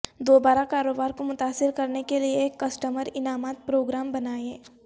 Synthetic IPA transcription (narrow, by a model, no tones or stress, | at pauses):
d̪oːbaːɾakaːɾoːbaːɾkomʊt̪aːsːɪɾkɐɾnekelieːkːɐsʈəməɾɪnaːmaːt̪̚pɾoːɡɾaːmbɐnaːẽː